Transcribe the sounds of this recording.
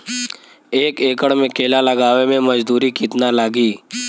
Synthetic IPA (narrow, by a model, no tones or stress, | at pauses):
eːkeːkəɽmẽkʰeːlalɐɡaːʋemẽmɐd͡ʒd̪uːɾikit̪nalaːɡiː